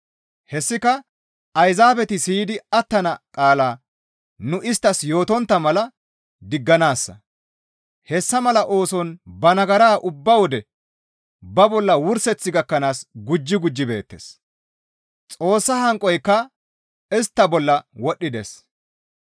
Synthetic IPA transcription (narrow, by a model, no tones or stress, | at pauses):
hɛsːɪkɐ | ɐjzaːbɛt̪ɪsiːd̪ɪɐt̪ːɐnɐkʼaːlaː | nʊʔɪst̪ːɐsjo̞ːt̪ɔnt̪ːɐmɐlɐ | d̪ɪɡːɐnaːsːɐ̰ | hɛsːɐmɐlɐʔo̞ːsɔnbɐnɐɡɐɾaːʔʊbːɐwɔd̪ɛ | bɐbɔlːɐwʊɾsɛt͡sːɪɡɐkːɐnaːsɡʊd͡ʒːɪɡʊd͡ʒːɪbe̞̰ːt̪ːḛːs | t͡sʼo̞ːsːɐhɐŋkʼɔjkːɐ | ɪst̪ːɐbɔlːɐwɔɗːɪd̪ḛs